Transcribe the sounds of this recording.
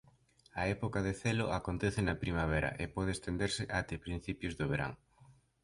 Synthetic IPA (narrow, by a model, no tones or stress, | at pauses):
ɐɛpokaðeθeloʔakont̪ɛθɪnɐpɾimaβ̞ɛɾɐ̰ʔepɔð̞est̪end̪eɾsɪʔat̪epɾin̟θipjʊzðoβeɾa̰ŋ